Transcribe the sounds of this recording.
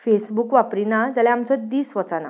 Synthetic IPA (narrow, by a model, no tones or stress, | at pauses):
fesbukʋapɾinad͡zalɛamt͡sɔd̪iːsʋət͡sana̰